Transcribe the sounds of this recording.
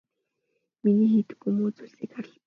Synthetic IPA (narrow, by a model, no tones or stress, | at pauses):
miniːxet̪ɘ̥̆kumuːt͡suɮsiːkχaɾə̆ɮ